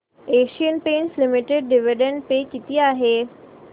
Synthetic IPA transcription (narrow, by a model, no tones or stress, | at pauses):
eːʃijənpẽːnslɪmɪʈɪɖ̚ɖɪʋɪɖə̃ɳʈpekɪt̪iaːɦeː